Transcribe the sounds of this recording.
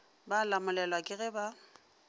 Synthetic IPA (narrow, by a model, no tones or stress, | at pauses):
balamʊlɛlwakʼɪɣɛba